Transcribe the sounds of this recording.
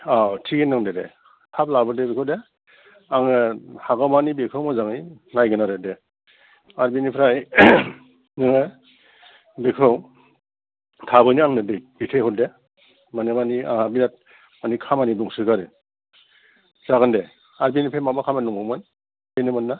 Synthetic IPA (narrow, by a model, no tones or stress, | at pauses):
awtʰikinɯŋdedḛ | tʰap̚labɯdebekʰɯde | aŋɯhaɡamanibekʰɯwmazaŋɯjnajɡɯnaɾede | aɾbinipʰɾaj | nɯŋɯ | bekʰɯw | tʰabɯjniaŋnɯdejbipʰehɔde | manemania̰ŋabinat̚ | manikʰamaniduŋsɯɡaɾɯ | zaɡɯnde | aɾbinipʰemamakʰamanɔŋɯman | benɯmanːa